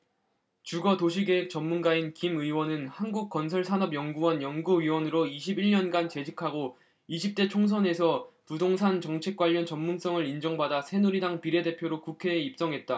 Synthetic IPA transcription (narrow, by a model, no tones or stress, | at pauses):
t͡ɕuɡʌtoɕ̬ʰiɡe̞ɦek̚t͡ɕ͈ʌmːunɡainkimɯiwʌnɯnhanɡuk̚k͈ʌns̬ʰʌɭsʰanʌbjʌŋɡuwʌnjʌŋɡuɥiwʌnɯɾoiɕʰibiɭɲʌnɡant͡ɕe̞d͡ʑikʰaɡo | iɕʰip̚t͈et͡ɕʰoŋs̬ʰʌne̞sʰʌpudoŋsʰant͡ɕʌŋt͡ɕʰe̞k̚k͈waʎːʌnt͡ɕʌmːuns͈ʌŋɯɾind͡ʑʌŋbadasʰe̞nuɾidaŋpiɾe̞de̞pʰjoɾokukʰe̞ːip̚s͈ʌŋɦe̞t̚t͈a